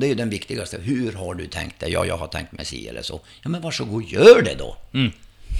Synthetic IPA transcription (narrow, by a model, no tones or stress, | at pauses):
d̪ɛæɾjɵd̪ɛnvɪkt̪ɪɡast̪əɦʉɾɦaɖɵt̪ʰɛŋk̚t̪̚d̪ɛjɑ̰ːjɑ̰ːɡɦhaʈ̪ʰɛ̰ŋk̚t̪mɛsḭːɛ̰lːəʂɔjɑːmɛnvaʂɔɡuːjœːɖɛd̪ɔ